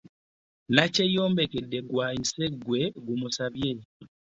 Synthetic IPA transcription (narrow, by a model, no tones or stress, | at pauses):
nacejoːmbekedːeɡwainseɡweɡumusaβje